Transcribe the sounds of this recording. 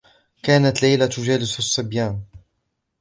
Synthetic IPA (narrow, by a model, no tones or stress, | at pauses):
kaːnat̪lajlat̪ʊd͡ʒaːlɪssˤːɨbjaːn